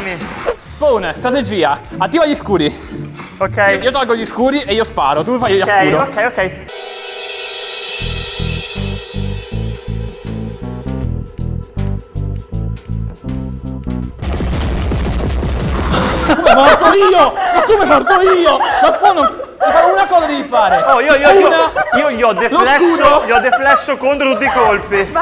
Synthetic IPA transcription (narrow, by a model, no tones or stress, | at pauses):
misponst̪ɾat̪ed͡ʒiːaat̪ːiːvaʎiskuːɾi | okɛjiːot̪alɡoʎiskuːɾiʔeiːospa̰ːɾot̪ufajoʎaskkuːɾokːɛjokːɛj | komepɔɾt̪oiːokːomemɔrt̪oiːokaspɔno | faunakɔːzad̪evifaːɾeɔiːoiːoionaiːoʎiɔd̪eflɛsːoʎiɔd̪eflɛsːokont̪ɾot̪ut̪ːikolpi